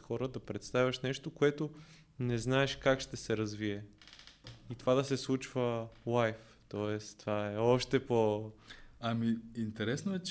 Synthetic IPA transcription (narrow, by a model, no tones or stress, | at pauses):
xɔɾəd̪ɐpɾɛt̪st̪avʲɐʃnɛʃt̪okoɛt̪o | nɛznaɛʃkakʃt̪ɛsɛɾɐzviɛ | it̪ovad̪ɐsɛslˠut͡ʃvəlajf | t̪ɔɛst̪ovaɛɔʃt̪ɛpo | amiint̪ɛɾɛsnoɛt͡ʃ